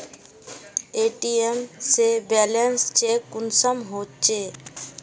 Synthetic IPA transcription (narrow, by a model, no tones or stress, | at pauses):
eːʈiemsebɛːlənst͡ʃekːʊnsəmɦoːt͡ʃeː